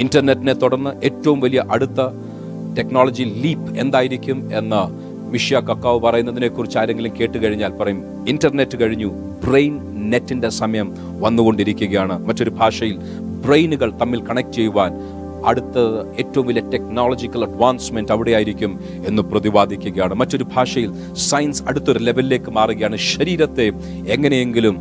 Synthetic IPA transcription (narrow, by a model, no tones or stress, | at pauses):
indɐrne̞tːine̞t̪uɽɐrnːɨʔe̞ːtːɐʋumʋɐlijɐʔɐɽut̪ːɐ | te̞knoːlɐd͡ʑiliːpe̞nd̪aːjiɾikʲːume̞nːɐ | miʂjakɐkːaːʋɨpɐrɐjunːɐðine̞ːkːurit͡ɕːaːɾe̞ŋɡilumke̞ːʈːɨkɐɻiɲːaːlpɐrɐjum | indɐrne̞tːɨkɐɻiɲːu | brejn | netːindesɐmɐjɐm | ʋɐnːuɣo̞ɳɖiɾikʲːuɣɐjaːɳɨmɐtːo̞ɾubʱaːʂɐjil | brejnuɣɐɭt̪ɐmːilkɐɳɐk̚tt͡ɕe̞jːuʋaːn | ɐ̰ɽut̪ːɐe̞ːtːɐʋumʋiljɐte̞knoːlod͡ʑikʲːɐlɐɖʋaːnsme̞ndɐʋiɽejaːjiɾikʲːum | e̞nːuprɐðiʋaːd̪ʱikʲːuɣɐjaːɳɨmɐtːo̞ɾubʱaːʂɐjil | sɐjnsɐɽut̪ːoɾulebʱɐlile̞ːkːɨmaːruɣɐjaːɳɨʃɐɾiːɾɐt̪ːe̞ | eŋːɐnejeŋɡilum